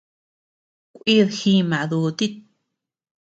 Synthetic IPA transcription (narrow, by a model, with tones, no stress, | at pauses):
kʷi˦ðxi˦˧mã˨ʔðu˧t̪i˦t̪̚